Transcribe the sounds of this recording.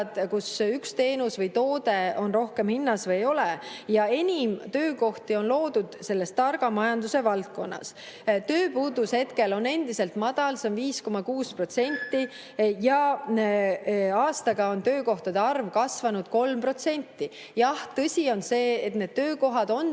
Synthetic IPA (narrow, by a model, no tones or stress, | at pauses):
d̪̥kusykst̪e̞ːnusvɤjt̪o̞ːd̪e̞o̞nro̞hkemhinːɑsvɯjjo̞leɛjɑe̞nʲimt̪ø̞ːko̞ht̪io̞nlo̞ːd̪̥ud̪̥se̞lːe̞st̪ːɑrɡ̥ɑmɑjɑnd̪use̞vɑlt̪̚ko̞nːɑ̰s | t̪ø̞ːpuːd̪ushe̞t̪ke̞lo̞nːe̞nd̪ise̞lt̪mɑd̪̥ɑlsemviːsko̞mɑkuːspro̞t̪se̞nʲt̪ːi | jɑ | ɑːst̪ɑɡ̥ɑo̞nt̪ø̞ːko̞ht̪ɑd̪eɑrvkɑsvɑnud̪̥̚ko̞lmpro̞t̪se̞nʲt̪ːˑi | jɑht̪ɤsʲio̞nse̞ːt̪ne̞d̪̥̚t̪ø̞ːko̞ɦɑd̪̥o̞n